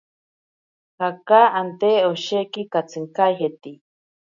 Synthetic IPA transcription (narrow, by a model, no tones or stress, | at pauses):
hakaant̪eoʃekikat͡sʰɨŋkajɦet̪i